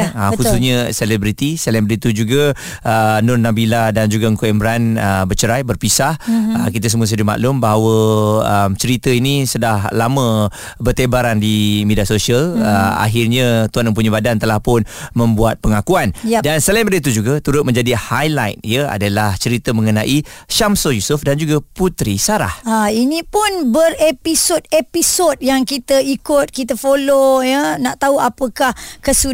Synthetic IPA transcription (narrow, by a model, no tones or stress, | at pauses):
akuusɲə̃selɛbɾit̪isəlɛmbəɾit̪ud͡ʒuɡaː | nʊrnabiladand͡ʒuɡaŋkoɛmbɾanəbət͡ʃəɾajbərpisahəkit̪əs̬əmuəs̬əduma̰ʔlʊmbaɦawəəmt͡ʃəɾit̪əinisədahlamə̃ | bərt̪ebaɾandimediasosiələa̰ɦɪrɲə̃t̪uanməmp̬uɲəbadant̪əlahpʊnmə̃mbuat̪̚pəŋakuandansəlajnbadət̪̬ud͡ʒuɡat̪uɾʊt̪̚mə̃ɲd͡ʒadihajla̰jt̪̚ijəa̰dalaht͡ʃəɾit̪əmə̃ŋənãʔiʃamsojusʊfdand͡ʒuɡaput̪ɾisaɾa̰hainĩpʊnbərepisodepisot̚jaŋkit̪əikʊt̪̚kit̪əfolojənaʔt̪auapəkahkəsu